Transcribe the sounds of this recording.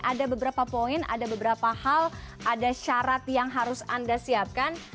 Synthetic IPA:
ʔadabəbəɾapapoɪna̰dabəbəɾapahalʔadaʃaɾat̪̚jaŋɦaɾʊsandasiap̚kan

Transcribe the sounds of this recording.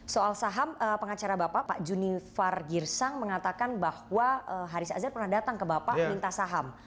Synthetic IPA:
soalsaɦaməpəŋat͡ʃaɾabapaʔpaʔd͡ʒunifarɡirsaŋməŋat̪akanbahwaəɦaɾisa̰zarpərnahdat̪aŋkəbapaʔmint̪asaɦam

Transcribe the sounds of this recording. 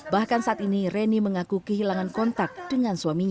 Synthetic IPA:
bahkansaʔat̪inireniməŋakukəɦilaŋankɔnt̪ak̚d̥əŋanswamiɲ

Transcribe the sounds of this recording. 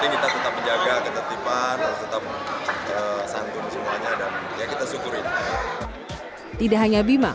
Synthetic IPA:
diŋkit̪at̪ət̪ap̚məɲd͡ʒaɡakət̪at̪ipant̪ət̪ap̚əsant̪ʊnsəmuaɲadanjakit̪asukʊɾini | t̪idaʔɦaɲabima

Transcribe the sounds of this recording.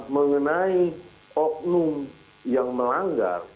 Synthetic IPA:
məŋənai | ɔp̚num | jaŋməlaŋɡa̰r

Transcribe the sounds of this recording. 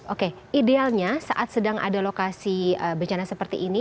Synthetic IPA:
ʔoke | idealɲasa̰ʔat̪sədaŋʔa̰dalokasiəbəɲt͡ʃanasəpərt̪ḭʔːni

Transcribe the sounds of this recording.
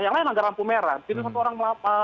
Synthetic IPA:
jaŋlajɛnlaŋɡaɾampumeɾat̪inus̬at̪uoɾaŋməlapa

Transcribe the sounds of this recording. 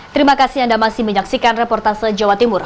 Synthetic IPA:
t̪əɾimakasɪhandamasɪhməɲaksikanrepɔrt̪arsəd͡ʒawat̪imʊr

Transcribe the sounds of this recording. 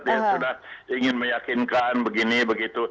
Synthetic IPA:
t̪jasudahiŋɪnmə̃jakinkanbəɡinibəɡit̪u

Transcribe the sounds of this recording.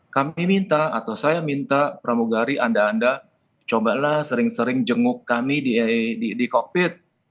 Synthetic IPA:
kamimint̪aat̪awsajamint̪apɾamuɡaɾiʔandaːnda | t͡ʃobalahsəɾɪŋsəɾɪŋd͡ʒəŋʊkːamidididikopɪt̪̚

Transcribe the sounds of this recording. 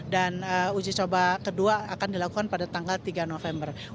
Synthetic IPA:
danəud͡ʒit͡ʃobakəduaːkandilakukanpadat̪aŋɡalt̪iɡanofɛmbər

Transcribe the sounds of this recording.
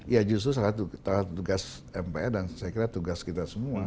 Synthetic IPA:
ijad͡ʒust̪ɾus̬alat̪ut̪alat̪t̪uɡas | ɛmpeɛdansajakiɾat̪uɡaskit̪asəmua

